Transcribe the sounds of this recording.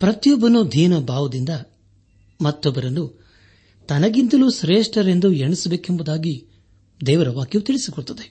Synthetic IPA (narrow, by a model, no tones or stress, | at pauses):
pɾɐt̪jɔbːɐnud̪ʱiːnɐbaːʋɐd̪ind̪ɐ | mɐt̪ːɔbːɐɾɐnːu | t̪ɐnɐɡint̪ɐlusɾeːʂʈɐɾe̞nd̪ueɳisɐbeːkembud̪aːɡi | d̪ɛːʋɐɾɐʋaːkjɐʋut̪iɭisikɔɭt̪ɐd̪e